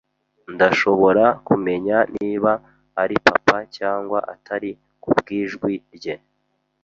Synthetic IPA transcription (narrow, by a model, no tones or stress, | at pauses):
ndaʃo̞βo̞ɾakume̞ɲanʔiːβaː | ɾipa̰pacaːŋɡwa̰ʔa̰tʰaɾi | kubɡiːʒɡwiɾɟe̞